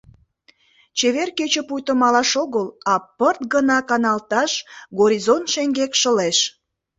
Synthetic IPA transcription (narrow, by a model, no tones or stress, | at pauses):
t͡ɕeβerket͡ɕəpujt̪əmɑlɑʃoɣəlɑpərt̪ɡənɑkɑnɑlt̪ɑʃɡoɾʲizont̪ʃeŋɡekʃəleʃ